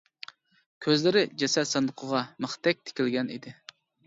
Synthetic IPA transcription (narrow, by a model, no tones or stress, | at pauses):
kʲʰøzlɪɾɪd͡ʒɛsɛsɛnd̪əqʰəʁɑmɨχt̪ʰɛk̚ʲt̪ʰɪ̥kʲilɡʲɛnḭd̪ɪ